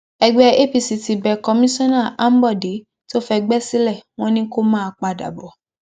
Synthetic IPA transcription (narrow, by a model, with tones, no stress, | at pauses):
ɛ˧ɡ͡bɛ˦ʔe˦pi˧si˨˧ti˧bɛ˨kɔ˧mĩ˦sɔ̃˦na˦˨ʔa˦m̩˦bɔ˦˨de˨˦ | to˦fɛ˧ɡ͡bɛ˦si˦lɛ˦˨w̃ɔ̃˦nĩ˦ko˦mãː˦˧k͡pa˧da̰˨bɔ˨˦